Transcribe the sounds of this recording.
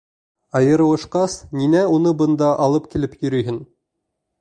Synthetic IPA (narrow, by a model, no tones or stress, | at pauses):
ɑjɤ̆ɾɤ̆wɤ̆ʃqɑsninæunɤbɤ̆nd̪ɑʔɑlˠɤpkilɘpjɵ̆ɾɵ̆jɦɘn